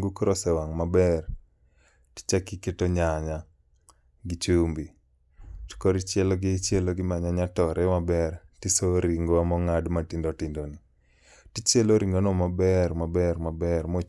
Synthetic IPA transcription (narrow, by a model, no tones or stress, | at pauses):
ɡukɾosɛwaŋmabɛr | ti̥t͡ʃakɪketoɲaɲa | ɡɪt͡ʃumbi | tkoɾit͡ʃjɛlɔɡɪt͡ʃjeloɡɪmaɲaɲatɔɾʔɛmabɛrtisoɾiŋɡoamɔŋadmatindotindoni | tit͡ʃeloɾiŋɡonɔmabɛrmabɛrmabɛrmo